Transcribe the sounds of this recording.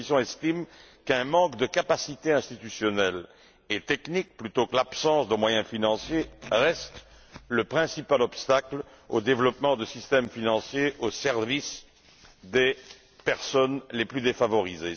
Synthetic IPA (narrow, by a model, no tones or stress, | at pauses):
isjɔ̃ɛst̪im | kɛ̃mɑ̃kd̪əkapasit̪eɛ̃st̪it̪ysjɔnɛl | et̪ɛknik̚plyt̪okəlapsɑ̃sd̪əmwajɛ̃finɑ̃sjeʁɛst̪ | ləpχɛ̃sipalɔpst̪akl | o̰d̪evlɔpmɑ̃d̪əsist̪ɛmfinɑ̃sjeʔosɛʁvis | d̪e | pɛʁsɔnleplyd̪efavɔʁize